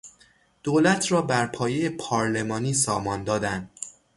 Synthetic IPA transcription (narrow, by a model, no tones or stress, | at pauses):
d̪̥oːlæt̪ʰɾɒːbæɾpʰɒːjejepʰɒːɾle̞mɒːniːsɒːmɒnd̪ɒːd̪ænd̪̥̚